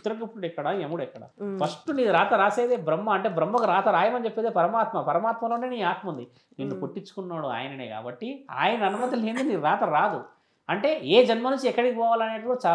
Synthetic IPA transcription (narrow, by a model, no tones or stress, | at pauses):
t̪ɾɐkːupːuɽɛkːɐɽaemuɽɛkːɐɽɐ̰pʰɐʂʈuniːd̪uɾaːt̪ɐɾaːseːd̪eːbɾɐmːɐɐɳʈe̞ːbɾɐmːɐkuɾaːt̪ɐɾaːjɐmɐnit͡ʃepːeːd̪eːpɐɾɐmaːt̪mɐpɐɾɐmaːt̪mɐloːne̞ːniːaːt̪mɐund̪i | ninːupoʈːit͡ʃːu̥kunːaːɽua̰ːjɐnɐne̞ːka̰ːbɐʈːia̰ːjɐnɐːnumɐt̪ileːnd̪iniːɾaːt̪ɐɾaːd̪u | ɐɳʈe̞ːeːd͡ʒɐnmɐnuɲt͡ʃiɛkːɐɽikipɔːʋaːlɐne̞ːʈukuɽɐt͡ʃaː